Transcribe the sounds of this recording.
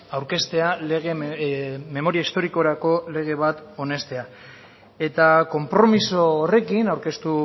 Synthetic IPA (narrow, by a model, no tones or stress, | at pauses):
awɾke̞st̪e̞aleɣe | me̞mo̞ɾiaist̪o̞ɾiko̞ɾako̞le̞ɣ̞e̞β̞at̪o̞ne̞st̪e̞a | e̞t̪ako̞mpɾo̞miso̞ːre̞kinawɾke̞st̪u